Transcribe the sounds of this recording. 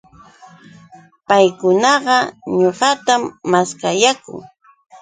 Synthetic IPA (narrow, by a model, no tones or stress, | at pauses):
pajkʊnɑɢɑɲoɢɑt̪amːaskajakʊ̰ŋ